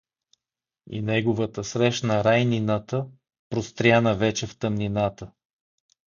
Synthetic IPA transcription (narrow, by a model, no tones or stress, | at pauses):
ḭnɛɡʊvət̪əsɾɛʃnəɾajninət̪ə | pɾost̪ɾʲjanəvɛt͡ʃɛft̪əmninat̪ə